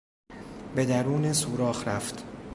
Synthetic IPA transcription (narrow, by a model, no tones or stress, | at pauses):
be̞d̪æɾuːnesuːɾɒːhɾæft̪